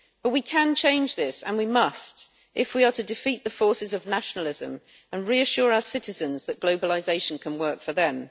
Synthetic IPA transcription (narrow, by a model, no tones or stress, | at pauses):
b̥ʌʔwikʰə̃nt͡ʃʰẽɪ̃nd͡ʒðɪsə̰̃nwimʌst | ʔɪfwiətʰɨdɪfiˑʔðəfɔˑsɪzəvnaʃənəl̩ɪzə̰̃m | ə̃nɹiəʃʊːɹaʊə˞sɪtɪzə̃nzðəʔ̚ɡ̥loʊbəlɪzeɪʃə̃nkʰə̃nwɜˑ˞kfəðə̃m